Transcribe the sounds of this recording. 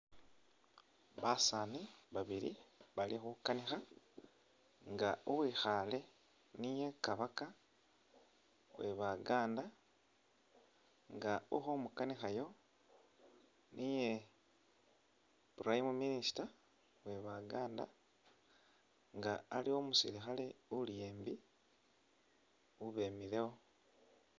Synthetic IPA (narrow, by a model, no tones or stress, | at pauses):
βasaniβaβiɾḭβalixukanixa | ŋɡauwwiːxale̞ | nije̞kaβaka | we̞βaɡaːnda | ŋɡaṵxo̞mukanixajo̞ | nije | puɾaimuminisi̥ta | we̞βaɡaːnda̰ | ŋɡaːlio̞musḭlixale̞ulje̞ːmbi | uβe̞mile̞wo